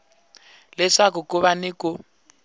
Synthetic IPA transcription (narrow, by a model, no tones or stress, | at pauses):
lɛʂak̬ʊkʊβanɪkʊ